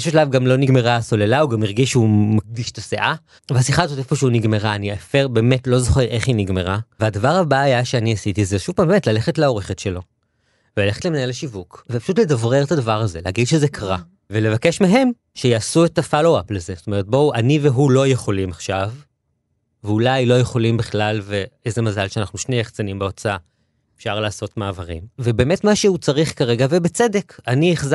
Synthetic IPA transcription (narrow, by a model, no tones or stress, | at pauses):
ʃuʃalavɡamlo̞niɡme̞ʁaso̞lelauɡamiʁɡiʃumak̚diʃtaseʔa | veasiχazo̞tefo̞ʃɛuniɡme̞ʁaːniafeʁbe̞ːme̞tlo̞zo̞χeʁe̞χiniɡme̞ʁaveadavaʁhabaːjaʃeaniasitizeʃuv̥paːmbemetlale̞χetleo̞ʁeχetʃe̞lo̞ | velale̞χetlemnajleʃivukvepḁʃutledavʁeʁtadavaʁaze̞lehaɡidʃezekʰaʁa | vele̞vakeʃmeɦe̞m | ʃejaːsuetafalowaplezezot̪o̞me̞ʁet̚bo̞aniveɦulo̞jeχo̞limaχʃav | veulajlo̞je̞χo̞limbiχlalveejzemazalʃeanaχnuʃnejeχt͡sanimbeot͡saa | e̥fʃaʁlaːso̞tmaːvaʁḭmvebe̞ːmetmaʃeut͡saʁiχkaʁe̞ɡavebet͡sede̞kanieχza